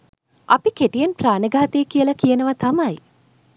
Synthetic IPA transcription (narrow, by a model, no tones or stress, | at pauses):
apikeʈijenpraːnəɡaːt̪ejkijəlɐkijənəʋɐt̪amɐj